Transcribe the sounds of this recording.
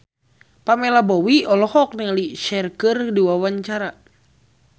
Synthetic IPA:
pamɛlabɔwiɔlɔhɔk̚nəŋliʃɛrkɨrdiwawaɲt͡ʃaɾa

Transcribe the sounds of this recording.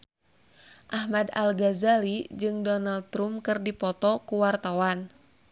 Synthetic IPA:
ʔahmada̰lɡazalid͡ʒɨŋdɔnald̪̚t̪ɾumkɨrdipɔt̪ɔkuwart̪awan

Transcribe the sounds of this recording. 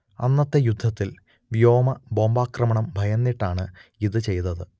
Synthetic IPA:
ɐ̰nːɐt̪ːejud̪ʱːɐt̪ːil | ʋijo̞ːmɐbo̞ːmbaːkrɐmɐɳɐmbʱɐjɐnːiʈːaːɳɨiðɨt͡ɕe̞jnɐðɨ

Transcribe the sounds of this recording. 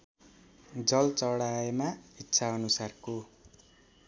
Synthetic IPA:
d͡zʌlt͡sʌɽaemaitːsʰaʌnusarko

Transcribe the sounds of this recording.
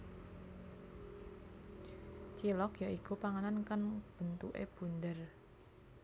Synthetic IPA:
t͡ʃilɔkjaʔikupaŋanankanb̥ə̤nt̪ṵʔḛb̥ṳnd̪ər

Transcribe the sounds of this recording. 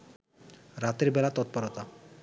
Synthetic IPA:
ɾat̪eɾbɛlat̪ɔt̪̚poɾot̪a

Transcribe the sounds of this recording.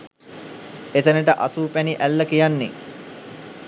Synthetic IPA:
et̪ənəʈəʔasuːpæniʔælːəkijanːe

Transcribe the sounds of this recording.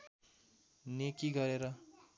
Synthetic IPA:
nekiɡʌɾeɾʌ

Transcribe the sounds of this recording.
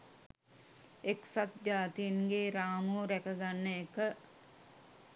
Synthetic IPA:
eksat̪̚d͡ʒaːt̪inɡeːɾaːmuɾækəɡanːəekə

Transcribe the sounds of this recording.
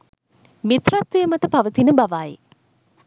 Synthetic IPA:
mit̪rat̪ʋejəmɐt̪əpaʋət̪inəbaʋaːjḛ

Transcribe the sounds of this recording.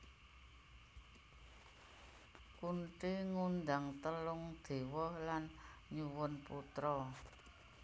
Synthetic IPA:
kunʈiŋund̪aŋt̪əlʊŋd̪̥e̤wɔhlanɲuwʊnput̪ɾɔ

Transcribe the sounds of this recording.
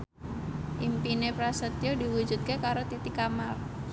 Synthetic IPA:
ʔimpinepɾasət̪ijodiwu̥ʒ̥ṳt̪̚kekaɾot̪it̪ikamar

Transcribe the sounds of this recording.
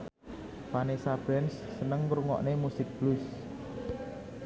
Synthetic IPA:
panesab̥ɾɛnsːənəŋkɾuŋɔ̰ʔnemusɪk̚b̥lus

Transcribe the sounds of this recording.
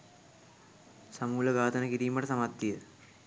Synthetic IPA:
sɐmuːlɐɡaːd̪ɐnɐkiɾiːmɐʈɐsɐmat̪ːijɐ

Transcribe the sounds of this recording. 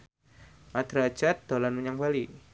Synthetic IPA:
ʔad̪ɾḁd͡ʒat̪̚d̪̥olanməɲaŋbali

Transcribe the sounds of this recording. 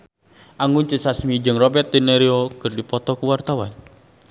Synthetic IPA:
ʔaŋɡunt͡ʃəsasmid͡ʒɨŋrɔbɛrt̪̚ːinɛɾiɔkɨrdipɔt̪ɔkuwart̪awan

